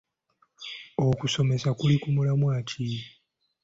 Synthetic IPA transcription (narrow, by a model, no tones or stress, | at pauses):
okuso̞me̞sakulikumulamwaːcʰi